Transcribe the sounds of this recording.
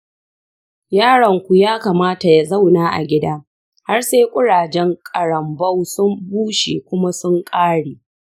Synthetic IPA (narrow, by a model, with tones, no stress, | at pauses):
jaː˦˨ɽɐ˨ŋkʷu˨jaː˦kaː˨maː˦ta˨ja˨za˦˨wnaː˦ʔa̰˨ɡʲɪ˦daː˦ | ha˦rseː˦kʷʼʊ˦ɽaː˨d͡ʒɛ˦ŋkʼɐ˨ɽɐ˨mbɐ˦wsʊ˦mbuː˦ʃḛː˨kʷʊ˦ma˦sʊ˦ŋkʼaː˦ɽeː˨